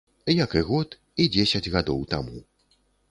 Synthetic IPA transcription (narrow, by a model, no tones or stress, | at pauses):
jɐkɨɣɔt̪ | id͡zʲesʲɐd͡zʲɣad̪ɔwt̪amu